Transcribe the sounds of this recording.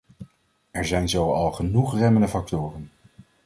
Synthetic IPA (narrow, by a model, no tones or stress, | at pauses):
ɛɹzɛjnzowɑlˠχənuχrɛməndəfɑk̚tʊːrən